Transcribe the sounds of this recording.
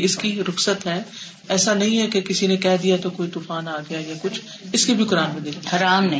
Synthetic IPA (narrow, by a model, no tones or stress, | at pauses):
ɪskiɾʊxsət̪ɦɛː | ɛːsanɐɦĩɦɛkekɪsinẽkɛɦd̪ijat̪okoːit̪uːfaːnaːɡɐjajakʊt͡ʃʰ | ɪskibʱikʊɾaːnmẽd̪ɪahɐɾaːmnɐ̃ɦĩ